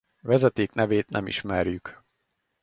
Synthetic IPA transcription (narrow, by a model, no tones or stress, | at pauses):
vɛzɛt̪eːknɛveːt̪nʔɛmḭʃmɛrjyk